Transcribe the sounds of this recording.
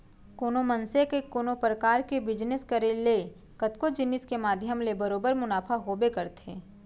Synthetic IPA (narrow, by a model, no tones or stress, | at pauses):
koːnomənsekekoːnopɾəkaːɾkebɪd͡ʒnɪskəɾele | kɐt̪kod͡ʒɪnɪskemaːd̪ʱjəmlebɐɾoːbəɾmʊnaːpʰaɦoːbekɐɾt̪ḛ̃ː